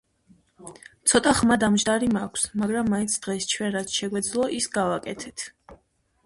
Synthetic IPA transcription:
t̪sʰɔt̪ʼaχmad̪amʒd̪aɾimakʷʰsmaɡɾamːaint̪sʰd̪̥ʁɛst͡ʃʰwɛnɾat̪sʰʃɛɡwɛd̪zlˠɔʔisɡavakʼɛt̪ʰɛt̪ʰ

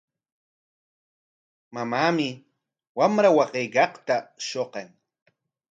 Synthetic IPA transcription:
mamaːmɪ | wamɾawɑqejkɑqt̪aʃoqeŋ

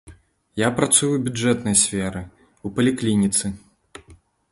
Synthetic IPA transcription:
japɾat̪sujuwbʲuʐɛt̪nɐjsʲfʲɛɾɨ | upɐlʲiklʲinʲit̪sɨ

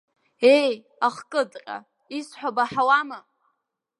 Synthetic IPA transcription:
ej | aχkʼɨdʼqʲʼa̰ | isħʷᶣabaħawama

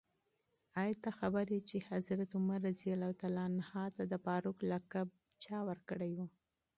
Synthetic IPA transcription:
ɑjt̪axabaɾjit͡ʃehazɾat̪ʊmaɾazialat̪alɑnhɑt̪ad̪əpɑɾʊklakab̚ | t͡ʃɑwəɾkəɽajwu

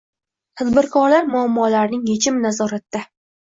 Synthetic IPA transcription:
t̪ʰad̪bɪɾkʰɒɾlaɾmʊamːɒlaɾnɪŋjet͡ʃʰɪmnazɒɾat̪ːa

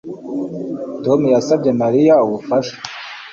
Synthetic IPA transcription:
tomujasabɟe̞maɾijauβufaʃḁ

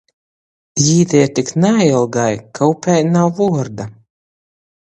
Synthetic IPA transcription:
jiːd̪ɛɛt̪iknailˠɡajkʰawpʲɛjnawvuɔɾd̪a

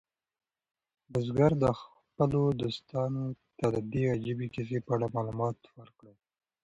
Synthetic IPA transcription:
d̪azɡaɾd̪əx | pəlod̪ost̪ɑnot̪ad̪əd̪eɣad͡ʒabikɪs̬epəaɽamɑlumɑt̪wəɾkɽəl

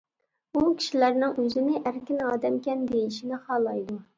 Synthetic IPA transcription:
ukʲʰi̥ʃilæɾnɪŋøzɪnɪʔæɾkʲinɑːd̪ɛmkʲɛnd̪ejiʃinɪχɑːlˠɑjd̪u

